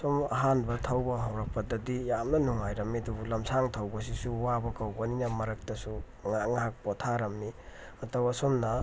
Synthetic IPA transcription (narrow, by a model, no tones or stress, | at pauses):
somɐɦanbɐtʰɐwbɐɦawɾɐk̚pɐdɐdijamnɐnuŋajɾɐmidubulɐmsaŋtʰɐwbɐs̬isuwabɐkawbɐninɐmɐɾɐk̚tɐsu | ŋaŋaɦak̚potʰaɾɐmni | ɐtɐwɐsomnɐ